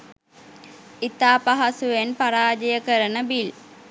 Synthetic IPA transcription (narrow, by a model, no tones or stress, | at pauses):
it̪aːpaɦasuʋenpaɾaːd͡ʒijəkəɾənəbil